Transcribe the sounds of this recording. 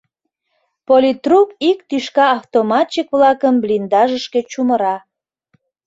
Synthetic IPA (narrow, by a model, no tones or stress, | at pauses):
polʲit̪rupikt̪yʃkɑːft̪omɑt͡ɕikβlɑkəmblind̪ɑʒəʃket͡ɕuməɾɑ